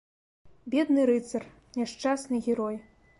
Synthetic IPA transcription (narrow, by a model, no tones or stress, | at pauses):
bʲɛd̪nɨɾɨt̪sɐr | nʲɛʂt͡ʂasnɨɣʲɛɾɔj